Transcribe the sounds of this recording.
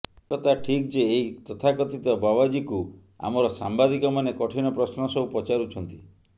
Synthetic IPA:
ɔt̪aʈʰikd͡ʒeːit̪ɔt̪ʰakɔt̪it̪ɔbabad͡ʒiku | a̰mɔɾɔsambad̪ikɔmanekɔʈʰinɔpɾɔsnɔsɔupɔt͡ʃaɾut͡ʃʰɔnt̪i

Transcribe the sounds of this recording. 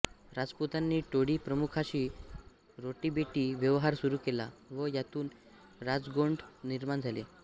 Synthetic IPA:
ɾad͡zput̪anːiːʈoɽiːpɾəmukʰaɕiː | ɾoʈiːbeʈiːʋjəʋɦaɾsuɾuːkela̰ʋəjat̪uːn | ɾad͡zɡoɳɖniɾmand͡zʱale

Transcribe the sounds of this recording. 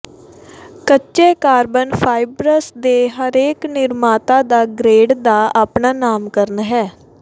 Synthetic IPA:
kətːt͡ʃʃeːkaːɾbənpʰaːɪbɾəsd̪eːɦəɾeːknɪɾmaːt̪ãːd̪aːɡɾeːɖd̪aːʔaːpnaːnaːmkəɾnɦɛː

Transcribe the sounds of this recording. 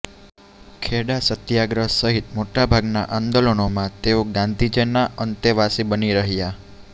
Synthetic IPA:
kʰeɽasət̪jaɡɾəɦsəɦit̪moʈabʱaɡna̰ʔãnd̪olonomãt̪eoɡãnd̪ʱid͡ʒənaʔənt̪eʋasibəniɾəɦja

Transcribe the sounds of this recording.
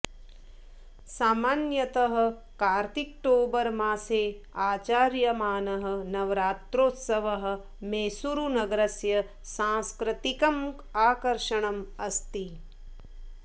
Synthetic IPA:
saːmaːnjɐt̪ɐɦɐ̆ | kaːɾt̪ik̚ʈoːbɐɾmaːseː | aːt͡ʃaːɾjɐmaːnɐɦɐ̆nɐʋɾaːt̪ɾoːt̪sɐʋɐɦɐ̆ | meːsuɾunɐɡɐɾɐsjɐ | sãːskɾɪt̪ikɐm | aːkɐɾʃɐɳɐmɐst̪i

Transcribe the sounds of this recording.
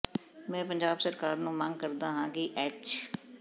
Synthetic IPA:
mɛ̃ːpəɲd͡ʒaːbsəɾkaːɾnũːmə̃ŋɡ̚kəɾd̪aːɦãːkɪʔɛːt͡ʃ

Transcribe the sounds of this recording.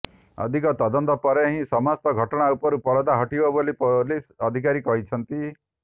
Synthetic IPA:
ɔ̰d̪ʱikɔt̪ɔd̪ɔnt̪ɔpɔɾeɦĩsɔmast̪ɔɡʱɔʈɔɽ̃aupɔɾupɔɾɔd̪aɦɔʈibɔbolipolisɔd̪ʱikaɾikɔɦit͡ʃʰɔnt̪i

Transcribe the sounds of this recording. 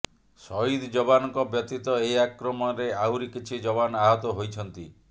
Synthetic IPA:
sɔɦid̪d͡ʒɔbanɔŋkɔbjɔt̪it̪ɔeiakɾɔmɔɾeaɦuɾikit͡ʃʰid͡ʒɔβanɔaɦɔt̪ɔɦojt͡ʃʰɔnt̪i

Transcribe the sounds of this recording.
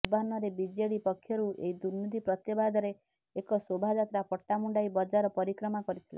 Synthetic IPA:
banɔɾebid͡ʒeɽipɔkʰːjɔɾuḛid̪uɾnud̪ipɾɔt̪jɔbad̪ʱɔɾeː | kɔsobʱad͡ʒat̪ɾapɔʈːamuɳɖajbɔd͡ʒaɾɔpɔɾikɾɔmakɔɾit̪ʰile

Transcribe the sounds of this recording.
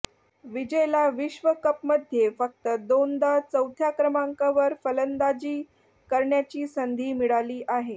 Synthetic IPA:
ʋid͡ʑəjlaʋiɕʋəkəpməd̪ʱjefək̚t̪əd̪ond̪at͡səwt̪ʰjakɾəmaŋkaʋəɾfələnd̪ad͡ʑiː | kəɾɳjat͡ɕiːsənd̪ʱiːmiɽaliːʔaɦe

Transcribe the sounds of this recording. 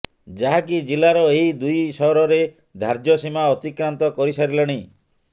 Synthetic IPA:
d͡ʒaɦakid͡ʒilaɾɔeɦid̪ujsɔɦɾɔɾe | d̪ʱaɾd͡ʒɔsimaɔt̪ikɾant̪ɔkɔɾisaɾilɔɽ̃i

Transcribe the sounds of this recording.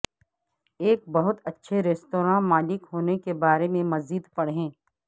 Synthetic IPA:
eːk̚bɐɦʊt̪ɐtːʃʰeɾeːst̪oːɾãːmaːlɪkɦoːnekebaːɾemẽmɐziːd̪pɐɽɦɛ̃ː

